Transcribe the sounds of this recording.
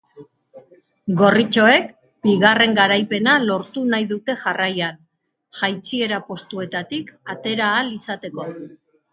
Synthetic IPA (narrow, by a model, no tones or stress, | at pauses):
ɡo̞rit͡ʃo̞e̞k | b̥iɣare̞ŋɡaɾajpe̞nalo̞ɾt̪unajðut̪e̞ʝarajan | ʝajt͡sie̞ɾapo̞st̪ue̞t̪at̪ikat̪e̞ɾaːlisat̪e̞ko̞